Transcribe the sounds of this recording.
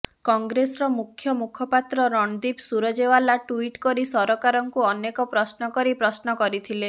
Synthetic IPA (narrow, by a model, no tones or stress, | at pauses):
kɔŋɡɾesɔɾɔmukʰːjɔmukʰɔpat̪ɾɔɾɔɳd̪ipsuɾɔd͡ʒewalaʈuiʈkɔɾisɔɾɔkaɾɔŋkuɔnekɔpɾɔsnɔkɔɾipɾɔsnɔkɔɾit̪ʰile